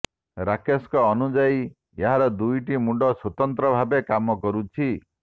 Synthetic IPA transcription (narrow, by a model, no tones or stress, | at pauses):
ɾakeskɔːnud͡ʒai | eɦaɾɔd̪ujʈimuɖʱɔswot̪ɔnt̪ɾɔbʱabekamɔkɔɾut͡ʃʰi